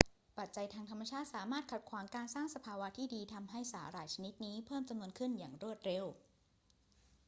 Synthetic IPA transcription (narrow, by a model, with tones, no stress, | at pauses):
pa˨˩t̪̚t͡ɕa˧jt̪ʰaː˧ŋt̪ʰa˧mːa˧t͡ɕʰaː˥˩t̪̚saː˩˦maː˥˩t̪̚kʰa˨˩t̪̚kʰwaː˩˦ŋkaː˧nsaː˥˩ŋsa˧pʰaː˧wa˦˥t̪ʰiː˥˩diː˧t̪ʰa˧mɦa˥˩jsaː˩˦ɾaː˧˩jt͡ɕʰa˧ni˦˥t̪̚niː˦˥pʰɤː˥˩mt͡ɕa˧mnu˧ənkʰɯ˥˩njaː˨˩ŋɾu˥˩ət̪̚ɾe˧w